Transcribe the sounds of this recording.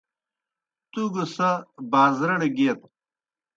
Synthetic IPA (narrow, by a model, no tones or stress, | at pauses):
t̪uɡusɐbaːzɾɐɳɡeːt̪